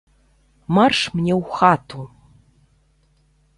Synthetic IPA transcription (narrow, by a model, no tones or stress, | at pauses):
marʂmnʲewxat̪ʰu